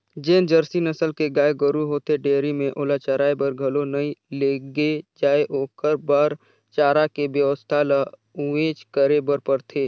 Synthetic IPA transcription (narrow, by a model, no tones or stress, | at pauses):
d͡ʒeːnd͡ʒəɾsinɐsəlkeɡaːeɡəɾuɦoːt̪eɖeːɾimẽʔoːlat͡ʃaɾaːebəɾɡʱɐlonɐĩleːɡed͡ʒaːeʔoːkəɾbaːɾ | t͡ʃaːɾakebjəʋəst̪ʰala | ʊʋeːt͡ʃkəɾebəɾpəɾt̪ʰeː